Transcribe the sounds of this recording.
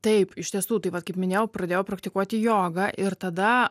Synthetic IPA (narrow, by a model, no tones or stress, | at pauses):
t̪ɐɪpɪʃʲt̪ʲiɛsuːt̪ɐɪʋɐt̪kɐɪpmʲɪnʲeːjɛʊpɾɐd̪ʲeːjoːpɾɐkt̪ʲɪkuɔt̪ʲɪjoːɡɑːʔɪɾt̪ɐd̪ɐ